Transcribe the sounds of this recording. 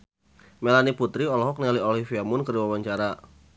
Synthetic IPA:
melaniput̪ɾiɔlɔɦɔk̚nialiolifiamʊnkəriwawaɲt͡ʃaɾa

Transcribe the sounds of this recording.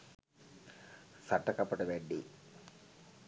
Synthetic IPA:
sɐʈːɐkɐpːɐʈɐʋeɳɖi

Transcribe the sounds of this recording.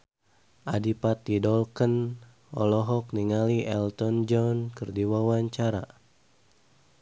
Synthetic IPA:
ʔadipat̪̚idɔlkən | ʔɔ̰lɔɦɔk̚niŋaliʔɛlt̪ɔnd͡ʒɔnkərdiwawaɲt͡ʃaɾa̰

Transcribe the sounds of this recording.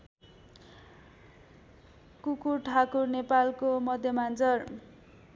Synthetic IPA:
kukurʈʰakurnepalkomʌd̪ʱjʌmand͡zʌr

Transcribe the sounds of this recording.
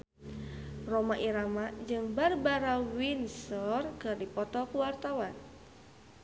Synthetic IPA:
romaʔiɾamad͡ʒɨŋbarbaɾawinsɔrkɨrdipɔt̪ɔkuwart̪awan

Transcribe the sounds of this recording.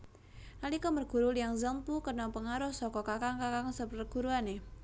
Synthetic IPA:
nalikɔmərɡ̥ṳɾulijaŋzəmpukənɔpəŋaɾʊhsɔkɔkakaŋkakaŋsəpərɡ̥ṳɾuane

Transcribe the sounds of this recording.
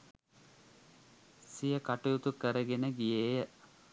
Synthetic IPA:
sijəkaʈujut̪ukəɾəɡenəɡijeːjə

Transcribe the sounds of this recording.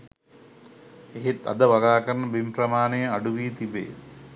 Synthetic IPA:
eɦet̪a̰d̪əʋaɡaːkəɾnəbimprɐmaːnejəaɖuʋiːt̪ibḛː

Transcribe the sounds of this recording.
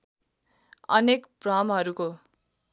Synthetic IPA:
ʌ̰nekprʌmɦʌɾuko

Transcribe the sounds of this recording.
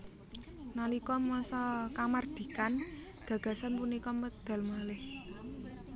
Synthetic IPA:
nalikɔmɔsɔkamard̪̥i̤kan | ɡ̥ä̤ɡ̥a̤sanpunikɔməd̪̥a̤lmalɪh

